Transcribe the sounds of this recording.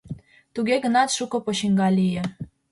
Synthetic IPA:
t̪uɣeɣə̆nɑt̪ʃukɤ̆poɕiŋɡɑlijĕ

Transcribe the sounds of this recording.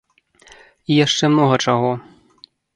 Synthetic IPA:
ijaʂt͡ʂɛmnɔɣɐt͡ʂaɣɔ

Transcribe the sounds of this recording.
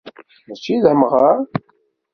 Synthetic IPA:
æt͡ʃːiðəmʁəɾ

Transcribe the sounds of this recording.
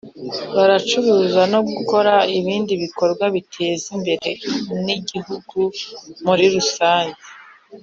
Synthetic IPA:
βaɾat͡ʃuɾuːzano̞ɡuko̞ɾaiβiːndiβiko̞ɾɡwaβitʰe̞ːzimbe̞ɾe̞niɟihuɡumuɾiɾusaːɲɟe

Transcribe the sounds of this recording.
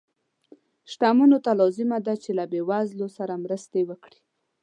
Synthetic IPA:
ʃʈamunot̪alɑzɪmad̪at͡ʃelabewazlosaɾamɾəst̪ewəkɽi̥

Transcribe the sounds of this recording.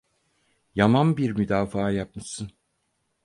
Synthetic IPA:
jamanbiɾmyd̪aːfaːjap̚mɯʃsɯn

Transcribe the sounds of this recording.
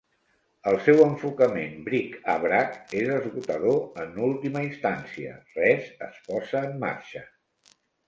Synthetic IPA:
əlˠsɛwəɱfukəmembɾika̰βɾakezəzɣut̪əðoənulˠt̪iməist̪ansiə̰rɛzə̰spɔzəːmːa̰ɾʃə

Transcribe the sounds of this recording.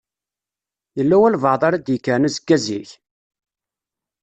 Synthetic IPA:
jəlːæwælvɑʕðˤaɾæd̪jəkːənuzəɡːæziç

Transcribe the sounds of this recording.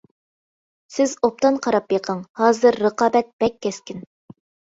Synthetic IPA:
sɪzop̚t̪ɑnqʰɑɾɑpjeqʰəŋhɑːzɨɾːəqɑːbɛt̪̚b̥ɛkʲːɛskʲɪn

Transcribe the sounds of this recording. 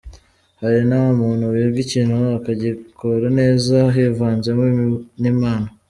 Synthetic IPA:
haɾinawamuːnhuβievɟiciːnhuakaɟikoɾane̞ːzaɦevaːnzemenimaːna

